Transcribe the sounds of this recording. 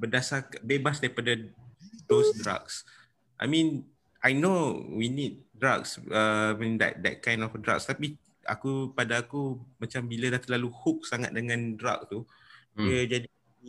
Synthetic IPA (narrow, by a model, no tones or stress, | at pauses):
bədasabebasdaipadadosdɾa̰ks | ʔa̰jmĩn | ʔajnowinit̚dɾaksəĩnd̪ɛ̰t̚d̪ɛ̰t̪̚kãj̃ndɔfdɾa̰kst̪api | a̰kupadaːkumat͡ʃambilədaht̪əlaluhuk̚saŋa̰t̪̚dəŋãndɾa̰k̚t̪u | iəd͡ʒadi